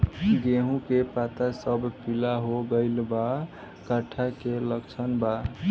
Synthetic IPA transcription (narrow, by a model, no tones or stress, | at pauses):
ɡeɦũkepat̪asəbpilaɦoɡəɪlba | kəʈʰakeləkt͡ʃʰənba